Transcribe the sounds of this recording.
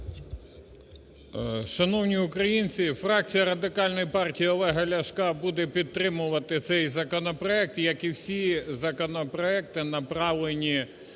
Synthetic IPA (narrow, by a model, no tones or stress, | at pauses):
ʃɐnɔwnʲiukɾɐjinʲt͡sʲifrɑk̚t͡sʲijɐɾɐd̪ɪkɑlʲnɔjipɑrtʲijiɔlˠɛɦɐlʲɐʃkɑbud̪ɛpʲid̪̚t̪ɾɪmʊʋɐt̪ɪt̪sɛjzɐkɔnɔpɾɔɛk̚t̪jɐkiwsʲizɐkɔnɔpɾɔɛk̚t̪ɪnɐpɾɑʋlˠenʲi